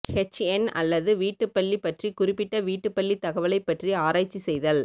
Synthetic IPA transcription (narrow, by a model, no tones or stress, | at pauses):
hɛt͡ʃɛnɐ̰lːɐðɯʋiːʈːɯpːɐɭːipːɐʈrikʊrɪpːɪʈːɐʋiːʈːɯpːɐɭːit̪ɐɣɐʋɐlɐɪpːɐʈriaːɾaːt͡ʃːisɛjðɐl